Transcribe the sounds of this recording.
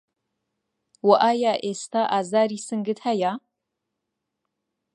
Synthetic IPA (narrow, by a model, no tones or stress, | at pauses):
waʔaːjaːʔeːstʰaʔaːzaːɾiːsɨŋɡɨthaja